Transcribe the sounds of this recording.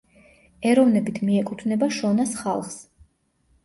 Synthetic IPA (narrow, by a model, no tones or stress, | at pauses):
ɛɾɔvnɛbit̪ʰmiɛkʼut̪ʰvnɛbaʃɔnasχalˠχs